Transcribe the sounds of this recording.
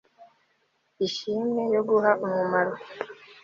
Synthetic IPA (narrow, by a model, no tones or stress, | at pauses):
iʃiːmŋejo̞ɡuɦaʔumumaɾo